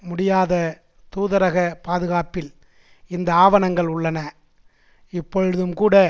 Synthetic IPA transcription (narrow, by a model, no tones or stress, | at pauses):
mʊɽɪjaːðɐ | t̪uːðɐɾɐɣɐpaːðɯɣaːpɪl | ɪnd̪ɐaːʋɐnɐŋɡɐɭʊɭːɐnɐ | ɪpːɔɻɯðɯmkuːɽɐ